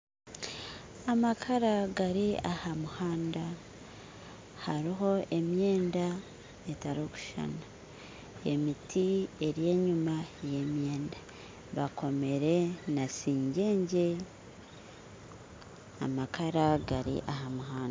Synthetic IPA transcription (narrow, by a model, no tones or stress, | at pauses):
amakʰaɾaɡaɾiahamuhaːnda | haɾiɦo̞ʔe̞mje̞ːnda | etaɾoku̥ʃa̰na | ḛmitʰie̞ɾje̞ːɲumaje̞mje̞ːnda | βakʰo̞me̞ɾe̞nasiːɲɟe̞ːɲɟe̞ | a̰makʰaɾaɡaɾḭʔahamuɦaːnda